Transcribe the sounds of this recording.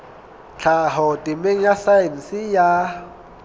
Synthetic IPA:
t͡ɬʰaɦɔtʼɪmeŋ̩jasain̩sɪja

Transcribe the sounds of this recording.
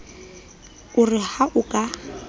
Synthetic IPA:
ʊrɪhaʔʊkʼa

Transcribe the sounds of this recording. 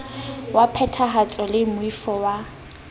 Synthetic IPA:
wapʰɛtʰaɦat͡sʼɔlɪmʊifɔwa

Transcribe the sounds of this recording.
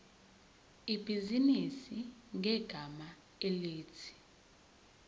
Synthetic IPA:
ib̥ʱizinisiŋʱɛɡ̥ʱama | eliːt͡sʰi̥

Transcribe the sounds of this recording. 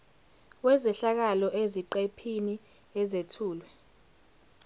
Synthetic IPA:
wɛzɛɬak̬alɔʔeziǃepʰini | ɛzetʰuːlwɛ

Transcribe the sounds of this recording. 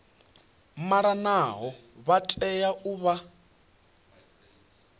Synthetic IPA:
maɺanaɦɔβatʼɛjaʔuβa

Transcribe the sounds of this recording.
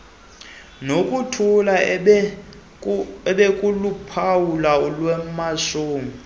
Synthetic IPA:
nokʼutʰula | ɛɓekʼulupʰawulaɔlwɛmaʃuːmi

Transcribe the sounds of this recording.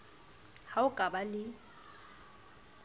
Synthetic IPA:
haʊkʼabalɪ

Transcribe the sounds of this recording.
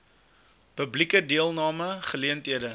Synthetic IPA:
pəblikədiəlˠnɑːməχəliəntɦiədə

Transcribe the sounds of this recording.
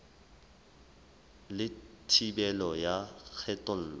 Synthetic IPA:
lɪtʰibɛlɔjak͡xʰɛtʼʊn̩ːlɔ

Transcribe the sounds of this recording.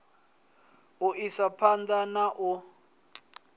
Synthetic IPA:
uʔisapʰandanaʔu

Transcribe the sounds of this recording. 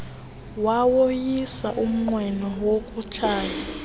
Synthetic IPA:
wawojisa̰ʔum̩ŋ͡ǃwɛnɔwokʼut͡ʃʰaːja

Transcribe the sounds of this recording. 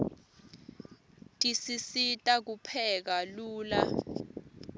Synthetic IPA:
tʼisisitʼak̬upʰɛk̬aluːla

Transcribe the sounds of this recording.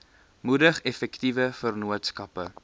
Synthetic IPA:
mudəχɛfɛktivəfərnuətskɐpə

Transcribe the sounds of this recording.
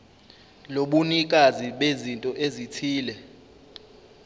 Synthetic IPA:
loɓunik̬aziɓezintʼɔʔezitʰiːlɛ

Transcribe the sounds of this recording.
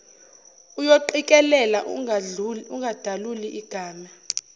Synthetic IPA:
ujoǃikʼɛlɛla | uŋɡʱad̥ʱaluliʔiɡ̥ʱaːma

